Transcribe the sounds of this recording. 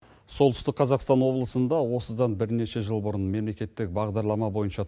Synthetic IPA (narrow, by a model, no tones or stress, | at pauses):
solˠt̪ʰʏ̥st̪ɪkqʰɑzɑqst̪ɑnwo̞blˠəsənd̪ɑwo̞səd̪ɑnbɪɾne̞ʃe̞ʒəlˠbʊɾənme̞mle̞kʲe̞t̪ːɪk̚bɑʁd̪ɑɾlˠɑmɑbo̞jənʃɑ